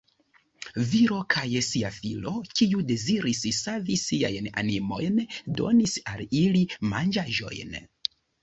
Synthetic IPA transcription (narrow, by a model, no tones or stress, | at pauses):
viɾo̞kʰajsiafilo̞kiude̞ziɾissavisia̰jna̰nimo̞̰jndo̞̰nisalilima̰nd͡ʒaʒo̞̰jn